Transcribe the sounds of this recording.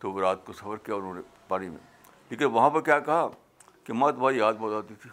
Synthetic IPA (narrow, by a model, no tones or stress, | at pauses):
t̪oɾaːt̪̚kosɐfəɾkijaʊnɦõːne | paːnimḛ̃ | leːkɪnʋɐɦãpɐɾkjaːkɐɦa | kemat̪bʱaːijaːd̪̚bɔːt̪aːt̪it̪ʰi